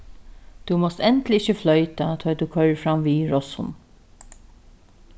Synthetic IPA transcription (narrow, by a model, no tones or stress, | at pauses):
t̪umɔst̪ɛnt̪lɪɪçəflœʏt̪at̪ʰɔːjt̪ukʰœɹfɾamʋiːɹɔshʊ̰n